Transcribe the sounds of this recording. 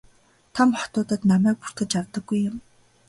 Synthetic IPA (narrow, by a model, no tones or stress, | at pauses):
t̪ʰamχɔ̥t̪ʊːt̪ə̆t̪namæːk̚pur̥t̪ɘ̆t͡ɕart̪ə̆ɡːujːʊm